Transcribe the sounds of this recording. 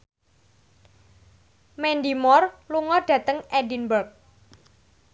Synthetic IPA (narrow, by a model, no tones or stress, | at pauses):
mɛnd̪imɔrluŋɔɖ̥ä̤t̪əŋɛdinbərk̚